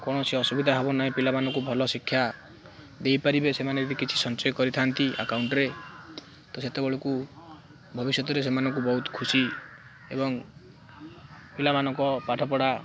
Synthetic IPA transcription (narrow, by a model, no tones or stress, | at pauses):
kɔɽ̃ɔseɔsubid̪ʱaɦebɔnaɦĩpilamanɔŋkubʱɔlɔsikʰːja | d̪ejpaɾibesemaned̪ikit͡ʃʰi̥sɔnt͡ʃɔjɔkɔɾit̪ʰant̪iʔa̰kawɳʈɔɾe | t̪ɔset̪ebɔɭoku | bʱɔbisjɔt̪ɔɾes̬emanɔŋkubɔɦut̪kʰusi | ebɔŋ | pilamanɔŋkɔpaʈʰɔpɔɽa